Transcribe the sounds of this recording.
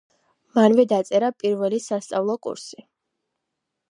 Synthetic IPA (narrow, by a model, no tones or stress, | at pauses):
manvɛd̪at̪sʼɛɾapʼiɾvɛlisast̪sʼavlˠɔkʼṵɾsi